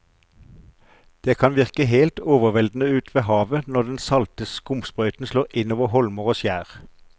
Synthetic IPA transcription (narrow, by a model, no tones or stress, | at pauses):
d̪̥eːkʰɑnʋɪʁkəɦeːlt̪oːʋəʁʋɛld̪n̩əʉːt̪ʰʋeːhɑːʋənɔʁd̪ɛnsɑlt̪əskʊmspʁœʏt̪n̩sloːʁɪnoːʋəhɔlməʁoːsjæːʁ